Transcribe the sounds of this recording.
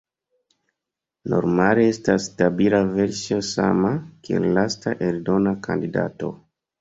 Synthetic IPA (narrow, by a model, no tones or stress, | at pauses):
no̞̰ɾmale̞e̞stasːtabilave̞ɾsio̞sa̰makiḛllastaʔeldo̞nakʰa̰ndida̰to̞̰